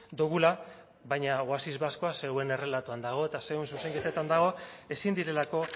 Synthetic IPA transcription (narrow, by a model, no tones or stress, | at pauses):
d̪uɣ̞ula | βajɲaɣwasizβasko̞ase̞ɣwe̞ne̞re̞lat̪uand̪aɣ̞o̞et̪aseɣwensuse̞ŋket̪et̪and̪aɣ̞o̞e̞sind̪iɾe̞lako̞